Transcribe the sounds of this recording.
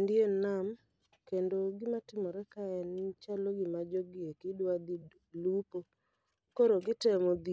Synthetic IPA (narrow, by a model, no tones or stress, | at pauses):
ndjenam | kendoɡɪmatɪmɔɾɛkaɛnɪt͡ʃaloɡɪmad͡ʒoɡɪekɪdwad̪i | lupo | koɾoɡɪtɛmod̪i